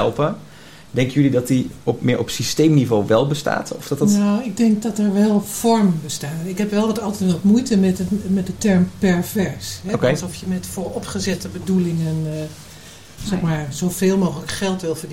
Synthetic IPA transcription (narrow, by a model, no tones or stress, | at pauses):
ɛlˠpə | dɛŋkəjylidɔtdiɔpmɪːɹʔɔpsistejmnivoːʋɛlˠbəsta̰ːtʰɔfd̥ɔtnawɪɡ̚dɛŋk̚dɔtɛɹʋɛlˠpfɔɹmbəstaːɪkɦɛpʋɛlˠʋɑtɑlˠtɛtʋɑtmujtəmɛtmɛt̚dətɛɹmpɛɹvɛɹsɦɛkˠsɔfjəmɛtfʊːɹɔpχəzɛtəbədulɪŋən | zɛxmaːɹzoveːlˠmowxələkχɛlˠtʋɪlˠvəɹd